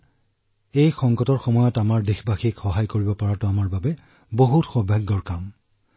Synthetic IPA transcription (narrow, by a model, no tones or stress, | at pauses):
ejxɔŋkɔtɔɹxɔmɔjɔtamaɹdexbaxikxɔɦajkoɹibɔpaɹatʊamaɹbabɛ | boɦutxɔbʱaɡːɔɹkam